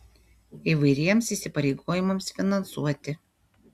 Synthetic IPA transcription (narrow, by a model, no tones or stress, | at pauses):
iˑʋɐɪɾʲiɛmsiːˑsʲɪpɐɾʲɛɪɡoːjɪmɐmsfʲɪnɐnsṵɔt̪ʲɪ